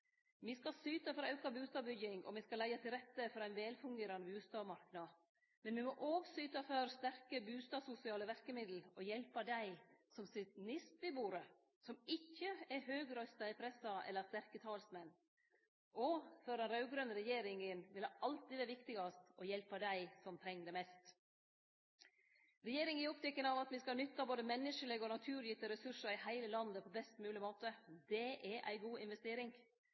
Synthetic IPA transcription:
mɪskɑsyːt̪ɑfɔɾɑʉkɑbʉːst̪ɑːbʏjɪŋɔ̰mɪskɑlæɪɑt̪ʰɪlɾɛt̪ːəfɔɾæɪnʋɛːlfʉŋɡeːɾɑnəbʉːst̪ɑːmɑɾknɑ | mɛnʋɪmɔʔoːʋsyːt̪ɑfœɾst̪æɾkəbʉːst̪ɑːsʊsɪɑːləʋæɾkəmɪd̪l̩ɔjɛlpɑd̪æɪsɔmsɪt̪nɪst̪̚bɪbuːɾə | sɔmɪçːəɛɦøːɡɾœʏst̪ɑɪpʰɾɛsɑɛ̰lːəɾst̪æɾkət̪ʰɑːlsmɛnː | ʔɔfœɾɛnɾɑʉɡɾœnəɾɛjeːɾɪŋənʋɪlʔɑlt̪ɪʋæːɾʋɪkt̪ɪɡɑst̪ɔjɛlpɑd̪æɪsɔmt̪ʰɾɛŋːd̪ɛmɛst̪ | ɾɛjeːɾɪŋæɔpt̪ɛkːənɑʋɑt̪ʋɪskɑlnʏt̪ːɑboːd̪əmɛnːəʂəleɡɔnɑt̪ʰʉːɾjɪt̪ːəɾɛsʉʂəɾɪhæɪləlɑnd̪əpʰɔbɛst̪mʉːlɪmoːt̪əd̪ɛʔɛɾʔæ̰ɪɡuːɪnʋɛst̪eːɾɪŋ

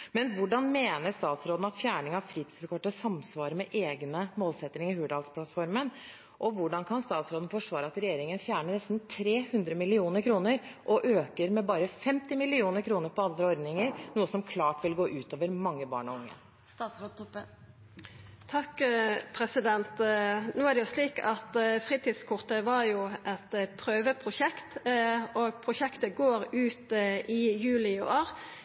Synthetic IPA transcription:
mɛnʋʊɖɑnmeːnəɾst̪ɑːt̪sɾoːd̪n̩ɑt̪fjæːɳɪŋɑʋfɾiːt̪ʰiskʰɔʈːəsɑmsʋɑːɾəmɛʔeːɡnəmoːlsɛt̪ːnɪŋəhʉːɖɑːlspʰlɑt̪fɔɾmən | ʔɔʋʊɖɑnkʰɑnst̪ɑːt̪sɾoːd̪n̩fɔʂʋɑːɾəɑt̪ɾɛjeːɾɪŋənfjæːɳəɳɛst̪n̩t̪ʰɾeːhʉnd̪ɾəmɪlɪuːnəɾkʰɾuːnəɾʔɔʔøːkəɾmɛbɑːɾəfɛmt̪ɪmɪlɪuːnəɾkʰɾuːnəɾpʰɔɑld̪ɾəɔɾd̪nɪŋəɾnuːəsɔmkʰlɑːʈʋɪlɡoːʔʉːt̪oːʋəɾmɑŋːəbɑ̰ːɳɔʊŋːə̰ | st̪ɑsɾot̪ʰɔpːə | t̪ʰɑkːpʰɾɛsɪd̪ɛnt̪noːæɖ̪ɛjʊsliːkɑt̪fʁiːt̪iːd̪skʰʊʁt̪əʋɑʁjʊʔɛt̪pʰɾøːʋəpʰʁʊʃɛkt̪ɔɡpʰɾʊʃɛkt̪əɡoːɾʉːt̪ʔɪjʉːlɪʊʔoːɾ

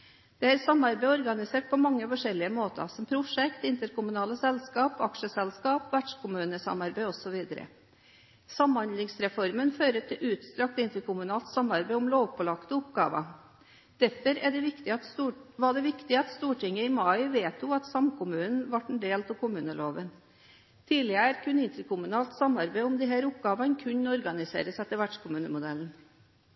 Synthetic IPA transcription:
d̪̥ɛæɾsɑmːɑɾbæɪɔɾɡɑnɪseːʈ̚pʰɔmɑŋːəfɔʂɛlːɪəmoːt̪ə̰sɔmpʰɾʊʂɛkt̪ɪnt̪əɾkʊmʉnɑːləsɛlskɑːpɑkʂəsɛlskɑːpʋæɖʂkʊmʉːnəsɑ̰mɑɾbæɪɔsɔʋiːd̪əɾə̰ | sɑmhɑnd̪lɪŋsɾɛfɔɾmənføːɾət̪ʰɪʔʉːt̪st̪ɾɑk̚t̪ɪnt̪əɾkʊmʉnɑːlt̪sɑmːɑɾbæɪʊmloːʋpɔlɑkt̪ɔʊpɡɑ̰ːʋə̰ | d̪̥æɾfɔɾæɖɛʋɪkt̪ɪɑt̪ːʋɑɖɛʋɪkt̪ɪɑt̪st̪uːʈɪŋːəɪmɑɪʋeːt̪ʊɑt̪sɑmkʰʊmʉːnn̩ʋɑʈːn̩ɖeːlt̪ɑʋkʊmʉːnəloːʋən | t̪ʰiːlɪəɾkʰʉnɪnt̪əɾkʊmʉnɑːlt̪sɑmɑɾbæɪʊmd̪ɪɦæːɾʊp̚ɡɑːʋɑnkʰʉɲɔɾɡɑnɪsḛːɾəsɛt̪ːəɾʋæʈʂkʊmʉːnəmʊd̪ɛln̩

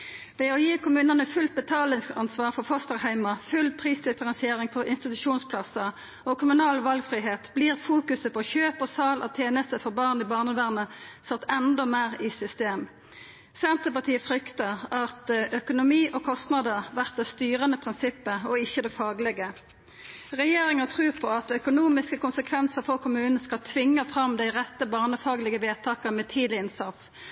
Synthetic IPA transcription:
ʋeːɔjiːkʰʊmʉːnɑnəfʉlt̪̚bɛt̪ʰɑːlɪŋskɑ̰nsʋɑːʁfɔfɔst̪əʁhæɪmɑfʉlpʰʁiːsd̪ɪfəʁɛnsɪeːʁɪŋpʰɔʔɪnst̪ɪt̪ʉʃuːnspʰlɑsə | ɔkʰʊmʉnɑːlʋɑlɡfʁiːɦeːt̪bliːʁfuːkʉsəpɔçøːpɔsɑːlʔɑ̰t̪ʰjeːnəst̪əfɔʁbɑːʁnɪbɑːʁnəʋæːʁnəsɑt̪ːɛnd̪ɔmeːʁɪsʏst̪eːm | sɛnt̪əpɑʁt̪ʰiːəfʁʏkt̪əʁɑt̪œkʊnʊmiːʔɔkʰɔst̪nɑd̪əʁʋæʁt̪̚d̪ɛst̪yːʁənəpʰʁɪnsɪpːəɔɪçːəd̪ɛfɑːɡlɛɡə | ʁɛjeːʁɪŋət̪ʰʁʉːʁpʰɔɑt̪œkʊnuːmɪskəkʰʊnsəkʰʋɛnsəʁfɔʁkʰʊmʉːnn̩skɑlt̪ʰʋɪŋːəfʁɑmd̪æɪʁɛt̪ːəbɑːʁnəfɑːɡlɪɡəʋeːt̪ʰɑːkəmɛt̪ʰiːd̪lɪɪnsɑt̪s

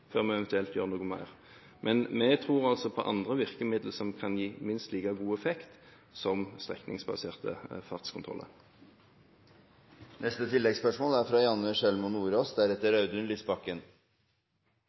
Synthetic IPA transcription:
føːʁmɛɛʋɛnt̪ʉɛlt̪jøːʁnuːɡʊmæ̰ɪʁ | mʔɛnmɛt̪ʰʁuːʁɑlsɔpʰɔʔɑnd̪ʁəʋɪʁkəmɪd̪l̩sɔmkʰɑnjiːmɪnst̪liːkɑɡuːɛfɛkt̪ | sɔmst̪ʁɛ̰knɪ̰ŋsbɑ̰seːʁt̪ə̰fɑʁt̪skʰʊnt̪ʁɔ̰lə̰ʁ | nʔɛst̪ət̪ʰɪlːɛɡspœʂmoːlæɾfɾɑːjɑnːəʂɛlmʊnuːɾoːsd̪æɾɛt̪ːəɾɑʉd̪ʉnlɪsbɑkːən

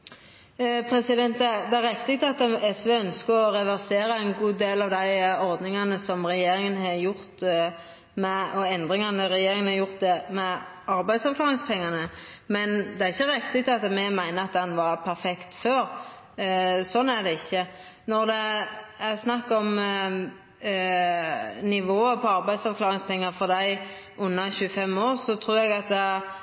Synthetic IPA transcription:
pʰɾɛsɪd̪ɛnt̪ɛd̪ɛæɾɛkt̪ɪɡt̪ʰɑt̪ɛsʋeːœnskəɔɾɛʋæʁseːɾəæɪnɡuːd̪eːlɑʋd̪æɪɔɾd̪nɪŋɑnəsɔmʁɛjeːɾɪŋənhɑjʊɾt̪ | mɛɔɛnd̪ʁɪŋɑnɛɾɛjeːɾɪŋənhɑjʊʁt̪̚d̪ɛmɛ | ɑɾbæɪd̪sɑʋklɑːʁɪŋspʰɛŋːɑnəmɛnd̪ɛæɾɪçːəɾɪkt̪ɪt̪ɑt̪mɛmæɪnəɑt̪̚d̪ɛnʋɑɾpʰæɾfɛkt̪føːɾ | sɔnːæɾd̪ɛɪçːə | nɔɾd̪ɛæsnɑkːɔm | nɪʋoːəpʰɔɑɾbæɪd̪sɑʋkʰlɑːɾɪŋspʰɛŋːɑfɔd̪æɪ | ʊnːɑçʉːəfɛmːoːʁsɔt̪ʰɾuːɛɡɑt̪̚d̪ɛ

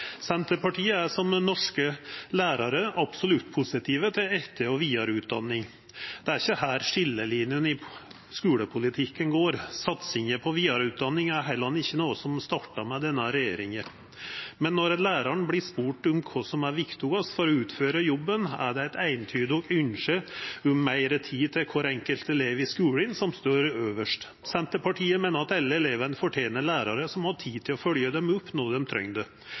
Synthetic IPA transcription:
sɛnt̪əɾpɑʈʰiːəæʂɔmnɔʂkəlæːɾɑɾəʔɑpsɔlʉt̪ːpʰusɪt̪ʰiːʋət̪ʰɪlɛft̪ʰeːɔʋiːɑɾʉːt̪̚d̪ɑ̰nːɪŋ | d̪̥ɛæɾɪçːəhæːɾʂɪlːəliːnɪjənɪ | skʉːləpʰʊlɪt̪ʰɪkːənɡoːɾsɑt̪sɪŋəpʰɔʋiːɑɾʉːt̪̚d̪ɑnːɪŋæɾɦæɪlɑnːɪçːənoːəsɔmst̪ɑʈːɑmɛd̪ɛnːəɾɛjḛːɾɪŋəɾ | mɛnːɔɾɛnlæːɾɑɳblɪʂpuːʈʊmkʰɔsɔmæɾʋɪkt̪uɡɑsfɔɾɔʉːt̪føːɾəjɔbːənæ̰ɖɛæɪt̪æɪənt̪ʰyːd̪əɔkʏnʃəʉmːæɪɾət̪ʰiːt̪ʰɪkʰɔɾɛŋkəlt̪ɛleːʋɪskʉːlənsɔmst̪oːɾøːʋəʂʈ | sɛnt̪əpʰɑʈʰiːəmeːnəɾɑt̪ɛlːəɛleːʋənəfɔʈʰjeːnəɾlæːɾɑɾəsɔmhɑʈʰiːt̪ʰɪlɔfœljəd̪ɛmʊpːnoːd̪ɛmt̪ʰɾœ̰ŋd̪ə

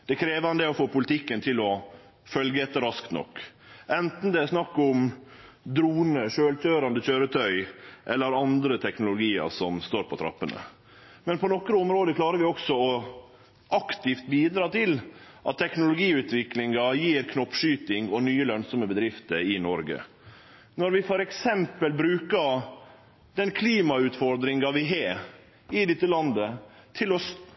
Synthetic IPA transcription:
d̪̥ɛkʰɾeːʋɑnd̪əɔfoːpʰʊlɪt̪ʰɪkːənt̪ʰɪlɔ | fœlɡəɛt̪ːəɾɑskt̪nɔ̰kːʔɛnt̪n̩d̪ɛæʂnɑkːʊm | d̪ɾuːnəʂøːltʰøːɾɑnd̪əçøːɾət̪ʰœʏʔɛlːəɾɑnd̪ɾət̪ʰɛknʊlʊɡiːɑ̰ɾsɔmst̪oːɾpʰɔt̪ʰɾɑ̰pːənə̰ | mɛnpʰɔnɔkɾəɔmɾoːd̪əkʰlɑːɾəɾʋɪɔksɔɔ | ʔɑkt̪ɪft̪̚biːd̪ɾɑːt̪ʰɪlʔɑ̰t̪ʰːɛknʊlʊɡiːʉːt̪ʋɪklɪŋɑjiːɾkʰnɔpːʂyːt̪ɪŋɔnyːəlœnsɔməbəd̪ɾɪft̪əɾɪnɔɾɡə̰ | nɔɾʋɪfɔɾɛksɛmpəlbɾʉːkə | d̪ɛnkʰliːmɑʉːt̪fɔɾd̪ɾɪŋɑʋɪɦeː | ɪd̪ɪt̪ːəlɑnd̪ə | t̪ʰɪlɔs

